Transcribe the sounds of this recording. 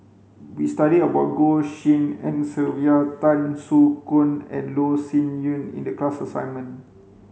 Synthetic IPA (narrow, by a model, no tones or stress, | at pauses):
wistaɾidəbat̚ɡoʃĩnɛ̃nsilviatãnsukũnɛ̰̃nlosĩnjũnḭ̃ndəklasasã̰jnmə̃n